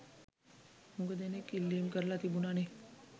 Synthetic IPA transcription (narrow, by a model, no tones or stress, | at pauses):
huŋɡəd̪enekːilːiːmkəɾəlat̪ibunaːne